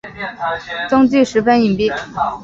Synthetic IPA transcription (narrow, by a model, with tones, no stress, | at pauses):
t͡sʊ˥ŋt͡ɕy˥˩ʂɻ̩˧˥fə˥ni˨˩ŋpi˥˩